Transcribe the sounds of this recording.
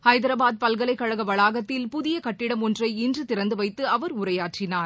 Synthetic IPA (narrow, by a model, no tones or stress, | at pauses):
hɐɪðɐɾɐbaːð̚pɐlɣɐɭɐɪkːɐɻɐɣɐʋɐɭaːɣɐt̪ːɪlpʊðɪjɐkɐʈːɪɽɐmɔndrɐɪɪndrɯt̪ɪɾɐnd̪ɯʋɐɪt̪ːɯɐʋɐɾʊɾɐjaːʈrɪnaːɾ